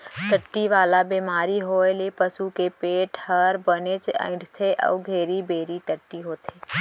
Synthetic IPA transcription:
ʈəʈːiʋaːlabeːmaːɾiɦoːelepəsukepeːʈʰhəɾbənet͡ʃə̰̃ɪɖt̪ʰeʔɔ̰ːɡʱeːɾibeːɾiʈ̪əʈːiɦoːt̪ʰeː

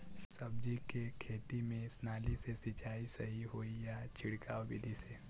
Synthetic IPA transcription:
sɐb̚d͡ʒikekʰeːt̪imẽsnaːlisesit͡ʃaːisɐɦiɦoːijat͡ʃʰɪɽkaːwbḭd̪ʱise

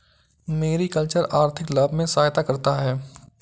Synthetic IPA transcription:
meːɾikəlt͡ʃəɾaːɾt̪ʰɪkləbʱmẽsaːjt̪akɐɾt̪aɦɛː

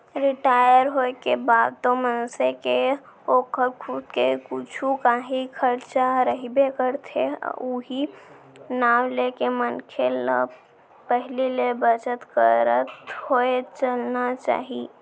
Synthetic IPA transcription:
ɾɪʈaːjəɾɦoekebaːd̪̚t̪omənseke | oːkʰəɾkʰud̪kekʊt͡ʃʰukaɦikʰəɾt͡ʃaɾəɦibekəɾt̪ʰḛuɦi | naːwlekemənkʰelə̰b | pəɦlilebət͡ʃət̪kəɾət̪hoet͡ʃəlnat͡ʃa̰ːɦi

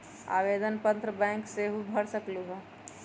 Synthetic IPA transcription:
a̰ːʋed̪ənpənt̪ɾəbɛ̃ːŋkseɦubʱəɽsəkluɦə

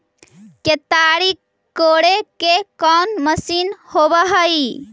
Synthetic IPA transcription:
ket̪aɾik | kːoɽekekɔnməsinhobəɦəj

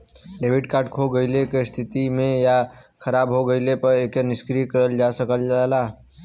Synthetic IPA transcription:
ɖebʱiɖkaɾʈkʰoɡəɪlekest̪ʰit̪imeja | kʰəɾabɦoɡəɪlepəɾekeniskɾikəɾəld͡ʒasəkəld͡ʒala

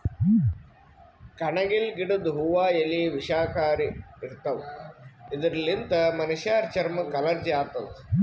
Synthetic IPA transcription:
kɐɳɐɡilɡiɽud̪ɦuʋaːjɐliʋiʂaːkaːɾiiɾt̪ːɐʋ | id̪ɐɾlint̪ɐmɐniʃjaːɾt͡ʃɐɾmɐkɐlɐɾd͡ʒjaːɾt̪ɐd̪u

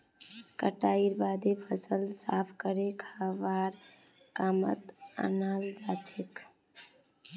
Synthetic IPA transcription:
kəʈaiɾbad̪epʰəsəlsapʰkəɾekʰaʋaɾ | kamə̰t̪a̰nald͡ʒat͡ʃʰek

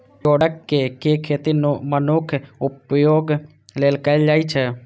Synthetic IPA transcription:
oːɽəkːekeːkʰeːt̪inumənʊkʰʊpjoːɡ | leːlkəld͡ʒaːit͡ʃʰə

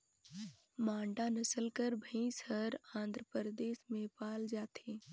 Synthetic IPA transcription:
mãːɳɖanɐsəlkəɾbʱəĩsəɾãːnd̪ʱɾəpəɾd̪eːʃmẽpaːld͡ʒaːt̪ʰeː

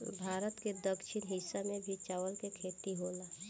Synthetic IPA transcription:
bʱaːɾət̪ked̪əkʃɪnɦɪsːamẽbʱit͡ʃaːwəlkekʰeːt̪iɦoːlaː

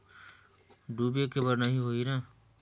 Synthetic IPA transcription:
ɖuːbeːkebəɾnəɦĩɦoːiːɾãː

